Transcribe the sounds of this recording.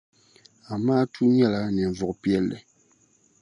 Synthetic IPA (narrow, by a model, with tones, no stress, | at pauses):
a˨maː˦tʰu˦ɲɛ˦la˨˦nɛ˨ɱ˨vɔ˨kpjɛ˦lːɛ̰˨